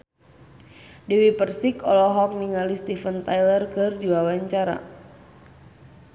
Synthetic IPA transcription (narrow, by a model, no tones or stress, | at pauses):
dewipərsikɔlɔɦɔk̚niŋalist̪ifənt̪ajlərkɨrdiwawaɲt͡ʃaɾa̰